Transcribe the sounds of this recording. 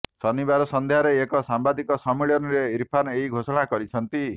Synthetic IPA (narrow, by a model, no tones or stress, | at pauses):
sɔnibaɾɔsɔnd̪ʱeɦaɾeːkɔsambad̪ikɔsɔmiɭijɔnɔɾeiɾpʰaneɦiɡʱosɔɽ̃akɔɾit͡ʃʰɔnt̪i